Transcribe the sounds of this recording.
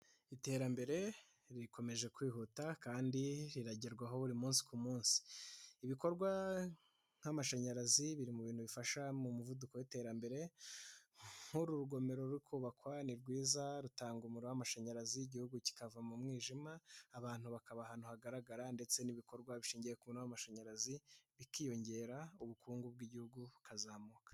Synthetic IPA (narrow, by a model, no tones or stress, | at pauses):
ite̞ɾambe̞ɾe̞ | ɾiko̞me̞ʒe̞kwiːɦutakaːndiɾiɾaɟeɾɡwaɦo̞βuɾimuːnsi̥kumuːnsi̥iβiko̞ɾɡwa | ŋhamaʃaɲaɾaziβiɾimuβiːn̥uβifaʃamumuvudukowite̞ɾambe̞ɾe̞ | huɾuɾuɡo̞me̞ɾo̞ɾuɾikʰuːβakwaniɾɡwiːzaɾutaːŋɡumuɾowamaʃaɲaɾaziiɟihuɡuci̥kavamumŋiːʒimaːβaːn̥huβakaβahan̥huhaɡaɾaɡaɾande̞t͡se̞niβiko̞ɾɡwaβiʃiːɲɟijekumunoamaʃaɲaɾaziβikiːjo̞ɲɟe̞ːɾauβukʰuːŋɡub̚ɡiɟihuɡuβukazaːmuːkḁ